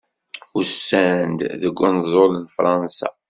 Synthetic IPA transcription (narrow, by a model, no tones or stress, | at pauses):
usːænd̪ðəɡʷːənzˤolənfɾˤɑnsɑ̰